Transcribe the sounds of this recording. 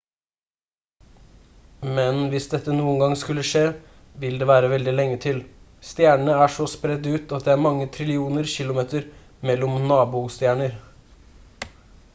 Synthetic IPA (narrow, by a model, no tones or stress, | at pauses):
mɛnʋɪsd̪ɛt̪ːənuːənɡɑŋskʉlːəʂeː | ʋɪld̪eːʋæːɾəʋɛld̪ɪlɛŋːət̪ʰɪl | st̪jæːɳəɳəæʂɔspɾɛd̪ʉːt̪ɑt̪̚d̪ɛːæːɾmɑŋːət̪ʰɾɪlɪuːnəɾçɪlʊmeːt̪əɾ | mɛlːɔmnɑːbuːst̪jæːɳəɾ